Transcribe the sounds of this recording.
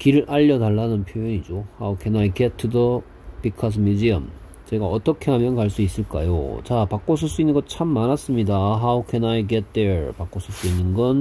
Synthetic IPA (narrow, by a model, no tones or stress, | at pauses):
kiɾɯɭʔaʎːʌdaɭːanɯnpʰjojoɲid͡ʑohaukʰenaiɡet̚tʰudʌ | pikʰas̬ʰmjud͡ʑiʌm | t͡ɕe̞ɡaʌt͈ʌkʰe̞ɦamjʌnkaɭs͈uis͈ɯɭk͈a̰jo̰t͡ɕapak͈osʰɯɭs͈uinːɯnŋɡʌt͡ɕʰamːanas͈ɯmɲidaɦaukʰenaiɡet̚d͈eɭpak͈osʰɯɭs͈uinːɯnɡʌn